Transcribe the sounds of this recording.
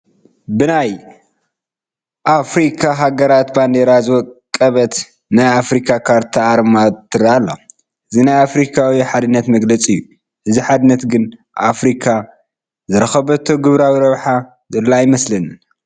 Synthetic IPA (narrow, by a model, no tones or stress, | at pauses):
bɨnaj | ʔafɾikʰaɦaɡɐɾat̪band̪eɾazɨwɔkʼːɐβɐt̪ | najafɾikʰakʰaɾt̪ʰaaɾmat̪ʰːɨɾaalːo | ʔɨzinajafɾikʰawiħad̪ɨnːɐt̪mɐɡlɐt͡sʼɨjːu | ʔɨziħad̪ɨnːɐt̪ɡɨn | ʔafɾikʰa | zɨɾɐxɐβɐt̪ʰːoɡɨβɾawiɾɐβħa | zɨlːajɪmɐslɐnɨ